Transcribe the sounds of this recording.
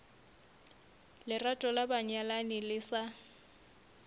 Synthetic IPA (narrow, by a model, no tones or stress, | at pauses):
lɪratʼɔlabaɲalanɪlɪsa